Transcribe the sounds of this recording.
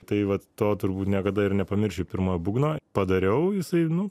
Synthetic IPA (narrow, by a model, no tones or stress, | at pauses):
t̪ɐɪʋɐt̪ːoːt̪ʊɾbuːt̪nʲiɛkɐd̪ɐɪrnʲɛpɐmʲɪɾʲʃʲɛʊpʲɪɾmoːjbuːɡnoːpɐd̪ɐɾʲɛʊjɪsɐɪnʊ